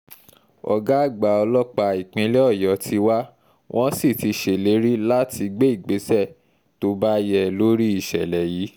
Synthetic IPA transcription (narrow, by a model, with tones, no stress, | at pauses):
ɔ̰˨ɡa˦˨ɡ͡ba˨ɔ˧lɔ˦k͡pa˧i˨k͡pĩ˧˦lɛ˦ɔ˦˨jɔ˨tʰi˧wa˦ | wʔɔ̃˦si˦˨ti˧ʃe˨le˨˦ɾi˦la˦tʰi˧ɡ͡be˦i˦˨ɡ͡be˨˦sɛ˦˨ | to˧ba˦jɛ˦˨lo˦ɾi˦i˦˨ʃɛ˨lɛ˨jiː˨˦